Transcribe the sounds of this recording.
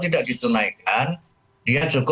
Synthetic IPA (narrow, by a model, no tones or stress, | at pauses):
t̪idaʔdit̪unajkan | diasuk